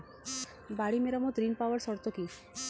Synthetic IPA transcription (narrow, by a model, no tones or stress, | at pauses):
baɽimeɾamɔd̪ɾinpawɔɾsɔɾt̪ɔki